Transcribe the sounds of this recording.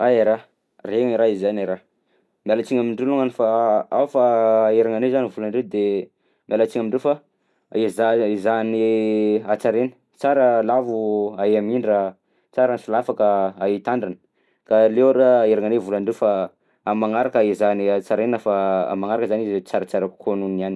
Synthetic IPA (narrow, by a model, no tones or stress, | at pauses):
aeɾa | reŋaiɾaizizanaɾa | mialat͡siɲamiɳɖ͡ʐeluŋanifaafaeɾaŋanezanivulaɳɖ͡ʐewd̪e | mialat͡siɲamiɳɖ͡ʐewfa | izaizaniat͡saɾenə̥ | t͡saɾəlavuaeamiɳɖ͡ʐa | t͡saɾanifilafakəait̪aɳɖ͡ʐanə̥ | kalewaɾeeɾaŋanevulaɳɖ͡ʐewfa | amaŋaɾakaizaniat͡saɾenəfaa̰maŋaɾakəzanizt͡saɾət͡saɾakʰonuniani